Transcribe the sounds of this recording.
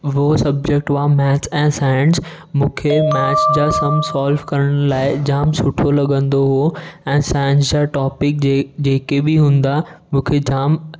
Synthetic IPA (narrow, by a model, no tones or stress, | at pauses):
ʋɦsɐb̚d͡ʑek̚ʈʋãːmɛːt͡ɕɛ̃ːsaːɪɳs | mũːkʰemɛːt͡ɕd͡ʑaːsɐmsaːlʋkɐɾəɽ̃laːɪd͡ʑaːmsʊʈʰolɐɠə̃nd̪oɦoɛ̃ːsaːɪnsd͡ʑaːʈɔːpɪk̚d͡ʑeːkebɪɦũːn̆d̪amũːkʰed͡ʑaːm